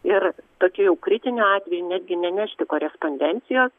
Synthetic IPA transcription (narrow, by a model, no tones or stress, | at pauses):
ɪrt̪oːkʲujɛʊkɾʲɪt̪ʲɪnʲuɑːt̪ʲʋʲɛjunʲæːd̪ʲɡʲɪnʲɛnʲæːʃʲt̪ʲɪkoːɾʲɛspoːnʲd̪ʲɛnʲt̪sʲɪjoːs